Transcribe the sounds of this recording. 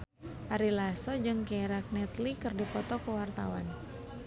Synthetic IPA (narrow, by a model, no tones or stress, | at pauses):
ʔaɾilasɔd͡ʒɨŋkɛɾak̚nɛt̪likɨrdipɔt̪ɔkəwart̪a̰wan